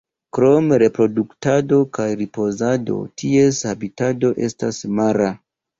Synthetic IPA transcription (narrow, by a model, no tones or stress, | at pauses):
kɾo̞mɾe̞pɾo̞duktado̞kajɾipo̞zado̞̰tʰie̞shabitado̞ʔe̞̰stasmaɾa